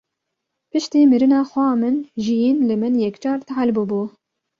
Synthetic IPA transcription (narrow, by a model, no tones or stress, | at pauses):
pɨʃt̪iːmɨɾɨnɑːxʷɑːmɨnʒijiːnlɨmɨnjɛkt͡ʃɑːɾt̪ʕalbubuː